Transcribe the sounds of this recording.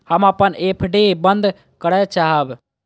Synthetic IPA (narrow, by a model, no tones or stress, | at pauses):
həməpənepʰɖebənd̪ | kəɽɛt͡ʃaɦəb